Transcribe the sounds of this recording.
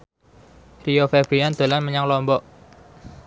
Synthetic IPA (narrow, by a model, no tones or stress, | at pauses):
riofɛbɾiand̪̥o̤lanməɲaŋlɔmbɔʔ